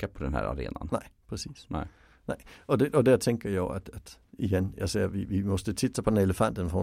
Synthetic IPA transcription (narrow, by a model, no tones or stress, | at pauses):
apʰɔd̪ɛ̰nɦhæ̰ːɾa̰ɾḛːna̰nnaɪ̰pʰʁɛsḭːsnɪ | næɪɒdeʔɒdæɐt͡sʰeŋɡɐjaɪæd̥æd̥iɡenjaɪseɐ̰ʋiʋimɒsd̥ət͡sʰitsɐpʰɒ̽deneləfæn̰d̥ənfɒ